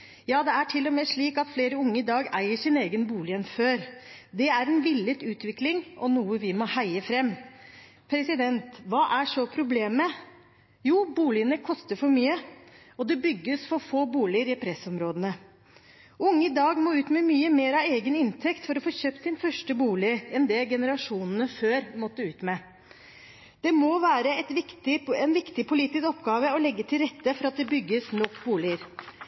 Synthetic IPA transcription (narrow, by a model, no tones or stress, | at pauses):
jɑːd̪ɛæʈʰɪlːɔmeːʂɭiːkɑt̪fleːɾəʊŋːəɪd̪ɑːɡæɪəʂɪneːɡənbuːlɪənføːɾd̪ɛæɾɛnʋɪlːət̪ʉːt̪ʋɪklɪŋɔnuːəʋɪmɔhæɪəfɾɛmː | pʰɾɛsɪd̪ɛnt̪ʋɑːʔæʂɔpʰɾʊbleːmə | juːbuːlɪənəkʰɔst̪əɾfɔɾmyːə | ɔd̪ɛbʏɡːəsfɔɾfoːbuːlɪəɾɪpʰɾɛsɔmɾoːd̪ənə | ʊŋːəɪd̪ɑːɡmoːʉːt̪mɛmyːəmeːɾɑʋeːɡənɪnt̪ʰɛkt̪fɔɾɔfoːçøːp̚t̪sɪnfœʂʈəbuːlɪɛnd̪ɛɡɛnəɾɑʂuːnn̩əføːɾmɔt̪ːəʉːt̪mɛ | d̪̥ɛmɔʋæːɾəɛt̪ʋkt̪ɪɛnʋɪkt̪ɪpʰʊliːt̪ɪskɔpːɡɑːʋəɔlɛɡːət̪ʰɪlɾɛt̪ːəfɔɾɑt̪̚d̪ɛbʏɡːəsnɔkːbuːlɪəɾ